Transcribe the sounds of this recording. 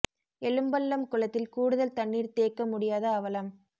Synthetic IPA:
ɛlɯmbɐlːɐmkʊlɐt̪ːɪlkuːɽɯðɐlt̪ɐɳːiːɾt̪eːkːɐmʊɽɪjaːðɐːʋɐlɐm

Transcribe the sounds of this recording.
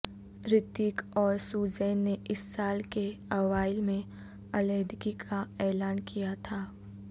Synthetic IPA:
ɾɪt̪iːkɔːɾsuːzɛːnːeʔɪsːaːlkeɐʋaːɪlmẽ | ɐleːd̪ɪkikʰaɛːlaːnkijat̪ʰaː

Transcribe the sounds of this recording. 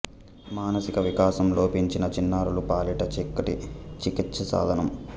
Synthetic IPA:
maːnɐsikɐʋikaːsɐmlo̞ːpiɲt͡ʃinɐt͡ʃinːaːɾulupaːliʈɐt͡ʃikːɐʈḭt͡ʃikit̪sɐsa̰ːd̪ʱɐnɐm

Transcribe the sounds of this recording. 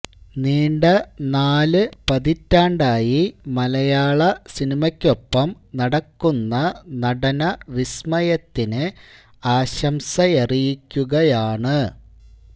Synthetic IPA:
niːɳɖɐnaːlɨpɐðitːaːɳɖaːjimɐlɐjaːɭɐsinimɐkʲːo̞pːɐm | nɐɽɐkːunːɐnɐɽɐnɐʋismɐjɐt̪ːinɨ | aːɕɐmsɐerijikʲːuɣɐjaːɳɨ

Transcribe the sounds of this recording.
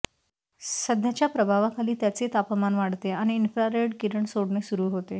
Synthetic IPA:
səd̪ʱjat͡ɕjapɾəbʱaʋakaliːt̪jat͡set̪apmanʋaɽt̪eaɽ̃iːnfɾaɾeɽkiɾəɳsoɽɳesuɾuːɦot̪e

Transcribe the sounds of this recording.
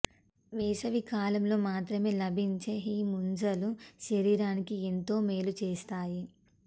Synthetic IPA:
ʋɛːʃɐʋikaːlɐmlo̞ːmaːt̪ɾɐme̞ːlɐbʱiɲt͡ʃeːiːmund͡ʒɐluʃɐɾiːɾaːnikient̪o̞ːmeːlut͡ʃeːst̪aːji

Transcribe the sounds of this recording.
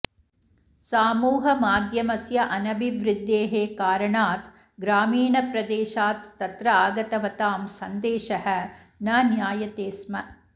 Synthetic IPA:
saːmuːɦɐmaːd̪ʱjɐmɐsjɐʔɐnɐbʱiʋɾɪd̪ːeːɦeːkaːɾɐɳaːt̪ | ɡɾaːmiːɳɐpɾɐd̪eːʃaːt̪ːɐt̪ɾɐaːɡɐt̪ɐʋɐt̪aːmsɐnd̪eːʃɐɦɐ̆ | nɐnjaːjɐt̪eːsmɐ

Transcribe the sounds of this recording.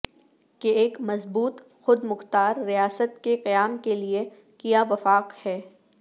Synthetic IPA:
keeːkmɐzbuːt̪ | xʊd̪mʊxt̪aːɾːijaːsət̪keqijaːmkelie | kijaʋɐfaːqhɛː

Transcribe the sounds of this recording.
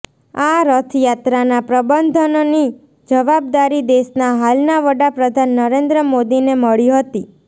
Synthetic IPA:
aɾət̪ʰjat̪ɾanapɾəbənd̪ʱənoni | d͡ʒəʋab̚d̪aɾid̪esnaɦalnaʋəɽapɾəd̪ʱanːəɾend̪ɾəmod̪ineməɭiɦət̪i

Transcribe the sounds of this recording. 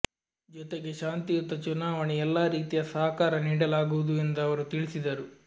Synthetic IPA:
d͡ʒɔt̪eɡe̞ʃaːnt̪ijut̪ːɐt͡ʃunaːʋɐɳiɛlːaːɾiːt̪ijɐsɐɦɐkaːɾɐniːɽɐlaːɡuʋud̪uend̪ɐɐʋɐɾut̪iɭisid̪ɐɾu

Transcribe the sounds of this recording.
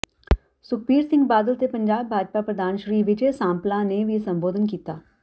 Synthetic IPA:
sʊk̚ʰbiːɾsɪ̃ŋɡbaːd̪əlt̪epə̃ɲd͡ʒaːbʱːaːd͡ʒpapɾəd̪ʱaːnʃɾiːʋɪd͡ʒesãːmplãːneʋisə̃mboːd̪ʱənkiːt̪aː

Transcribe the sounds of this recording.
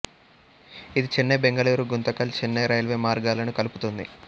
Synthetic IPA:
id̪it͡ʃinːebeŋɡɐliːɾuɡunt̪ɐkɐlt͡ʃinːeɾɐjɐlʋe̞ːmaːɾɡaːlɐnukɐluput̪und̪ḭ

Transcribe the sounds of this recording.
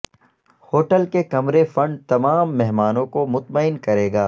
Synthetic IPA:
hoːʈəlkekɐmɾefɐ̃ɳɖ̚t̪ɐmaːmːɛɦmaːnõkomʊt̪məɪnkɐɾeːɡaː

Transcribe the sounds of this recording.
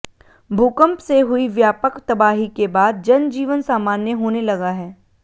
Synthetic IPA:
bʱuːkə̃mpseɦʊiʋjaːpəkt̪ɐbaːɦikebaːd̪̚d͡ʒɐnd͡ʒiːʋənsaːmaːnjəɦoːnelɐɡaɦɛː

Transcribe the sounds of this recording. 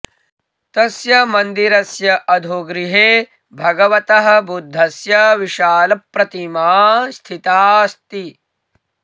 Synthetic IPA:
t̪ɐsjɐmɐnd̪iɾɐsjɐʔɐd̪ʱoɡɾiɦeː | bʱɐɡɐʋɐt̪ɐɦɐ̆bʱud̪ʱːɐsjɐʋiʃaːlɐpːɾɐt̪imaːst̪ʰit̪aːst̪i

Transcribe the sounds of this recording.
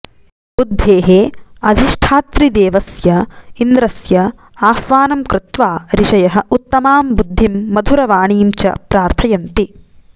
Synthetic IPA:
bud̪ʱːeːɦeːɐd̪ʱiʂʈʰaːt̪ɾid̪eːʋɐsjɐind̪ɾɐsjɐ | aːhʋaːnɐmkɾɪt̪ʋaːɾiʂɐjɐɦɐ̆ut̪ːɐmaːmbud̪ʱːimːɐd̪ʱuɾɐʋaːɳiːmt͡ʃɐ̰pɾaːɾt̪ʰɐjɐnt̪i

